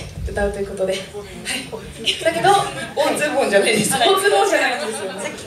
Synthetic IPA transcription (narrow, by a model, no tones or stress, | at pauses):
ɯt̪aɯ̟t̪o̞jɯ̟ko̞t̪od̪e̞ | hai | d̪ake̞d̪o̞õnzɨːbɯõɲ̟d͡ʑanaid̪esozɨbõd͡ʑanaise